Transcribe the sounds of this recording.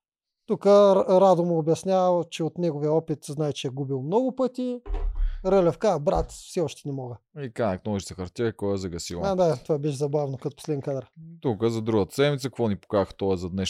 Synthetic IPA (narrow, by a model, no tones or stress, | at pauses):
t̪ukəɾad̪ʊmoːbjɐsnʲavt͡ʃɛot̪nɛɡovijəɔpit̪znaɛt͡ʃɛɛɡubilˠmnɔɡʊpɤt̪ʲi | ɾəlʲɛfkabɾa̰t̪fsɛɔʃt̪ɛ̥nɛmɔɡəikanɐknɔiʃsɐxɐɾt̪ʲɛkɔjɛzɐɡɐsivad̪at̪ovabɛʃzɐbavnokɐt̪o̥po̥slɛd̪ɛnkad̪əɾt̪ukəzɐd̪ɾuɡət̪ə̥sɛd̪mit̪səkɐkvɔnipo̥kaəxt̪ɔɛzɐd̪nɛʃ